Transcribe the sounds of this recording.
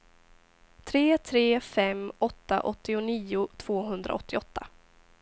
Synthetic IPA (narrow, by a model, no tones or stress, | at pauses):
t̪ʰɾeːt̪ʰɾeːfɛmɔt̪ːa̰ʔɔt̪ːɪʊniːʊt̪ʰv̥oːɦɵnd̪ɾʔa̰ɔt̪ːɪɔt̪ːa